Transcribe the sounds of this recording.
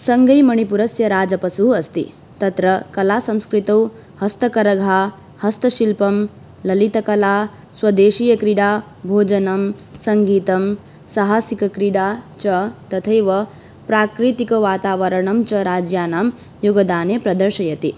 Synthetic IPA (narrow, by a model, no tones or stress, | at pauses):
sɐŋɡɐjmɐɳ̃ipuɾɐsjɐɾaːd͡ʒɐpɐsuɦuɐst̪ḭ | t̪ɐt̪ɾɐkɐlaːsɐmskɾit̪ɐw | hɐst̪ɐkɐɾɐɡʱaː | hɐst̪ɐʃilpɐm | lɐlit̪ɐkɐlaː | swɐd̪eːʃiːjɐkɾiɽaː | bʱoːd͡ʒɐnɐmsɐŋɡiːt̪ɐm | sɐɦaːsikɐkɾiɽaːt͡ʃɐt̪ɐt̪ʰɐjʋɐ | pɾaːkɾit̪ikɐʋaːt̪aːʋɐɾɐɳɐmt͡ʃɐɾaːd͡ʒjaːnaːm | juɡɐd̪aːnepɾɐd̪ɐɾʃɐjɐt̪i